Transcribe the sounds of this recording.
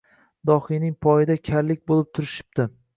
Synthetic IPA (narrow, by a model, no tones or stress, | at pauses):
d̪ɒχinɪŋpʰɒjɪd̪akʲʰaɾlɪk̚ʲbolˠɪp̚t̪ʰʊɾɪʃɪ̥p̚t̪ɪ